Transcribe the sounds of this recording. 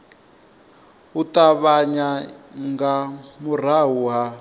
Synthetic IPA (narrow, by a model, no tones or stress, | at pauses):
utaβaɲaŋɡamur̤aɦuɦa